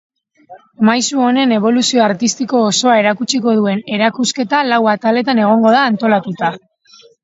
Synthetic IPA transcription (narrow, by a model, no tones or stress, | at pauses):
majsuo̞ne̞ne̞β̞o̞lusio̞aɾt̪ist̪iko̞ːso̞ae̞ɾakut͡ʃiko̞ðue̞ne̞ɾakuske̞t̪alawat̪ale̞t̪ane̞ɣ̞o̞ŋɡo̞ð̞aːnt̪o̞lat̪ut̪a